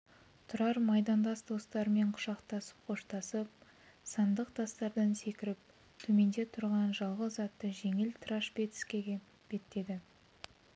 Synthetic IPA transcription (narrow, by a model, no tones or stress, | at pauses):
t̪ʰʊɾɑɾmɑjd̪ɑnd̪ɑsd̪o̞st̪ɑɾəme̞ɴqʰʊ̥ʃɑqt̪ɑsə̥pqʰo̞ʃt̪ɑsəp̚ | sɑnd̪əqt̪ʰɑst̪ɑɾd̪ɑnse̞kʲɪɾɪp̚ | t̪ʰɵme̞nd̪e̞t̪ʰʊɾʁɑnʒɑlˠʁəzːɑt̪ːəʒe̞ŋɪlt̪ʰɾɑʃpet̪ɪ̥skʲe̞ɡʲe | b̥e̞t̪ːe̞d̪ɪ